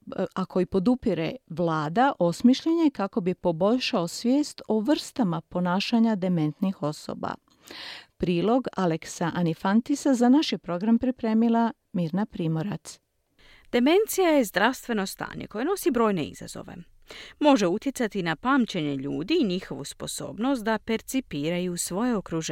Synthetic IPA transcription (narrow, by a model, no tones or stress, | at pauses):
akʰo̞jipo̞d̪upiɾe̞̰ʋlˠaːd̪aʔo̞smiʃʎeɲekako̞bipo̞bo̞ʎʃaosʋʲje̞ːst̪oʋr̩st̪amapo̞naːʃaɲad̪e̞me̞nt̪nixo̞so̰ba̰ | pɾiːlˠo̞ɡale̞ksaʔanifant̪isazanaʃjepɾo̞ɡɾampɾipɾe̞ːmilˠa | miːɾnapɾiːmo̞ɾa̰t̪s | d̪̥e̞me̞nt̪sijaje̞zd̪ɾaʋst̪ʋe̞no̞st̪a̰ːɲḛko̞jeno̞sibɾo̞ːjne̞̰ḭza̰zo̰ʋe̞̰ | mo̞ʒe̞ut̪jet̪sat̪inapaːmt͡ɕeɲe̞ʎuːd̪iːɲixo̞ʋuspo̞so̞̰ːbno̞st̪̚d̪ape̞ɾt̪sipiːɾajusʋo̞je̞okɾuʒ